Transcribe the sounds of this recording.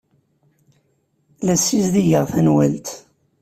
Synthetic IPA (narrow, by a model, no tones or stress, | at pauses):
læsːizðiʝəʁθænwælt̪